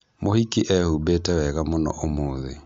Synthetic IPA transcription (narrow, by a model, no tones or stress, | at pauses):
mohikiʔɛhubetɛwɛɣamonɔ̰ʔomoːðḛ